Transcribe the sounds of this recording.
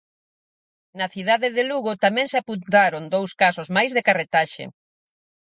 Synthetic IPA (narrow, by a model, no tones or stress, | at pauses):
nɐθiðaðeðeluɣot̪amɛ̃ŋsɪapunt̪aɾond̪owskasozmajzðekaret̪aʃḛ